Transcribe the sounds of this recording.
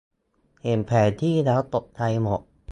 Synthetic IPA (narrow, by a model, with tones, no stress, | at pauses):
he˨˩mpʰɛː˨˩nt̪ʰiː˥˩dɛː˦˥wt̪o˨˩p̚t̪ʰa˧jmo˨˩t̪̚